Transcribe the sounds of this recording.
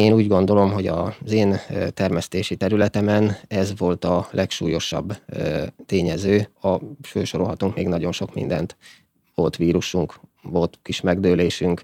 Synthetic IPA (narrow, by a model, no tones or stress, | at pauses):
eːnuːɟɡo̞n̪d̪o̞lo̞mɦo̞ɟɒzeːnt̪ɛrmɛst̪eːʃit̪ɛɾylɛt̪ɛmɛnɛzʋo̞lt̪ɒlʔɛkʃṵːjo̞ʃɒ̰bː | t̪eːɲɛzøːɒføːʃoɾolɦɒt̪uŋkmeːɡnɒɟo̞nʃo̞kmḭnd̪ɛ̰nt̪ | ʋo̞lt̪ʋiːɾuʃuŋkʋo̞lt̪kiʃmɛɡd̪øːleːʃyŋk